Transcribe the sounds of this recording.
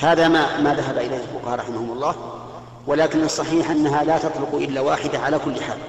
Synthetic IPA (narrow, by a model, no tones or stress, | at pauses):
haːðamamaːðaɦabaʔɪlajːɪlfʊqɑhɑːɾˤɑħɪmahʊmɑlˤːɑː | wɪlaːkɪnɨsˤːɑħiːħʔanːaɦalaːt̪ɑt̪ˤlʊqʔɪlːawaːħɪd̪aʕalakʊlːɪħa̰ːl